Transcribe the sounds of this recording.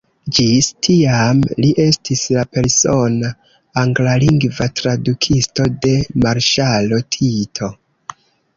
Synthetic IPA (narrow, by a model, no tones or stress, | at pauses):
d͡ʒistʰiamliʔe̞stʰislape̞ɾso̞naː | ŋɡlaliŋɡvatɾadukʰisto̞de̞maɾʃalo̞tʰitʰo̞